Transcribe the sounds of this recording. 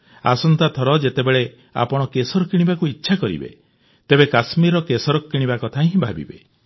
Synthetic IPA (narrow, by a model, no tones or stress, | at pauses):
a̰sɔnt̪at̪ʰɔɾɔd͡ʒet̪ebeɭe | a̰pɔɽ̃ɔkesɔɾɔkiɽ̃ibakuitːʃʰakɔɾḭbḛ | t̪ebekasmiɾɔkesɔɾɔkiɽ̃ibakɔt̪ʰaɦĩɦĩbʱa̰bḭbe